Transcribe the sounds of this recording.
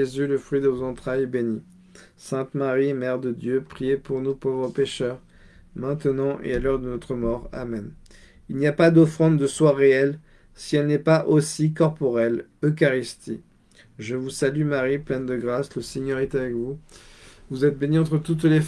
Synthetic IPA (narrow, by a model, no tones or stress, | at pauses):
ezyləfχɥid̪əvozɑ̃t̪χajɛbeni | sɛ̃t̪maʁimɛʁd̪əd̪jøpχijepuʁnupovʁəpeʃœʁ | mɛ̃t̪ənɑ̃ʔḛalœʁd̪ənɔt̪χəmɔʁa̰mɛn | ilnijapad̪ɔfχɑ̃d̪d̪əswaʁeɛl | siɛlnɛpaʔosikɔʁpɔʁɛl | økaʁist̪i | ʒəvusalymaʁiplɛnd̪əɡʁasləseɲœʁɛt̪avɛkvu | vuzɛt̪̚beniɑ̃t̪χət̪ut̪le